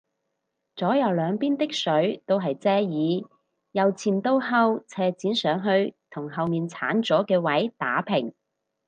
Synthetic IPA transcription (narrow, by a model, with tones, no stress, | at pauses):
t͡sɔː˨˥jɐ˨˧wlœː˨˧ŋpiː˥nt̪ɪ˥k̚sɵ˨˥ɥt̪o˥wɦɐ˨jt͡sɛː˥jiː˨˧ | jɐ˨wt͡sʰiː˨˩nt̪o˥wɦɐ˥wt͡sʰɛː˧t͡siː˨˥nsœː˨˥ŋɦɵ˧ɥt̪ʰʊ˨˩ŋɦɐ˨wmiː˨nt͡sʰaː˨˥nt͡sɔː˨˥kɛː˧wɐ˨˥jt̪a̰ː˨˥pʰɪ˨˩ŋ